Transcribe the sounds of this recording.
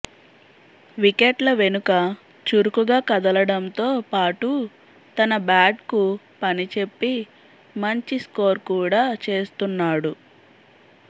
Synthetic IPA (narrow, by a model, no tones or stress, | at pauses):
ʋikeʈlɐʋe̞nukɐ | t͡ʃuɾukuɡaːkɐd̪ɐlɐɽɐmt̪o̞ːpaːʈu | t̪ɐnɐbaːɖku | pɐnit͡ʃe̞pːi | mɐɲt͡ʃisko̞ːɾkuːɽaːt͡ʃe̞ːst̪unːaːɽu